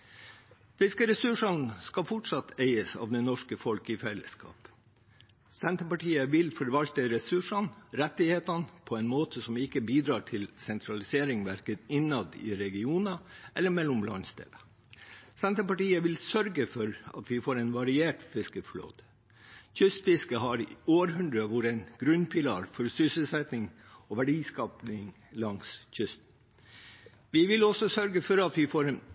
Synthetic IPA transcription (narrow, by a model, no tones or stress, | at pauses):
fɪskəɾɛsʉʂɑnskɑfʊʈʂɑt̪ːeɪəsɑ̰ːʋd̪ɛnɔʂkəfɔlkɪfɛlːə̰skʰɑ̰ːp | sɛnt̪əpɑʈiːəʋɪlfɔɾʋɑlt̪əɾɛsʉʂɑnɾɛt̪ːɪheːt̪ɑnpʰɔɛnmoːt̪ʰəsɔmɪkːəbiːd̪ɾɑːʈʰɪlsɛnt̪ʰɾɑlɪseːɾɪŋʋæɾkət̪ɪnɑd̪ɪ̰ːɾɛɡɪuːnɑʔɛlːəmɛlːʊmlɑ̰nst̪ɪ̰lə | sɛnt̪əpɑʈiːəʋɪlsœɾɡəfɔɾɑ̰t̪ʰʋɪfoːɾɛɪnʋɑɾɪeːʈfɪskəflo̰ːt̪ə̥ | çʏst̪fɪskəɦɑɾoːɾɦʉnd̪ɾəʋʊɾɛɪnɡ̥ɾʉnpʰɪlɑ̰ːɾfɔɾsʏsəlsɛt̪nɪŋ | ɔʋæɖiːskɑːpnɪŋ | lɑŋsçʏst̪ | ʋɪʋɪlɔsɔsœɾɡəfɔɾɑt̪ʋɪfoːɾn